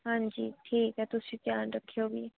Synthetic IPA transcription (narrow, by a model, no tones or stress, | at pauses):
ɦãːɲd͡ʑiːʈʰiːkɛt̪ʊsĩkjãːnɾəkʰijobiː